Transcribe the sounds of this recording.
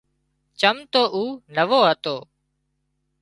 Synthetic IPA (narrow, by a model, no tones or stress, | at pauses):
t͡ʃəmt̪oːʔuːnəʋoːɦət̪oː